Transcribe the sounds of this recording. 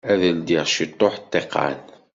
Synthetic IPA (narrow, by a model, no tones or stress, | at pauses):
æðəld̪iʁʃit̪ˤːoħt̪ˤːeqːɑ̰n